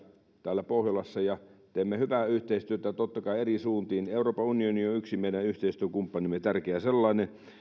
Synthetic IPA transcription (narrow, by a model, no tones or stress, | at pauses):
t̪æːlːæpohjolɑsːɑjɑt̪eːmːehyʋæyht̪eist̪yøt̪æt̪ot̪ːɑkɑˑierisuːnt̪iːneˑuroːpɑunionioyksimeˑiɾæyht̪eist̪yøkumpːɑnimːet̪ærkeæselːɑˑine